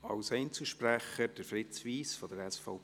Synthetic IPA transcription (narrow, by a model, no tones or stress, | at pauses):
ɑʊsɛɪnt͡səʃpɾæχəd̥əɾfɾɪt͡sʋiːsfɔd̥̪əɾɛsfɔʊ